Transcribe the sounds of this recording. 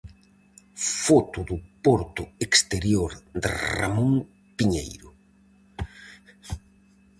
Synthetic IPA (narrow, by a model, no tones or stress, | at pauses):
fɔt̪ʊðʊpɔɾt̪ʊekst̪eɾjoɾd̪ḛra̰mõŋ | piɲḛjɾʊ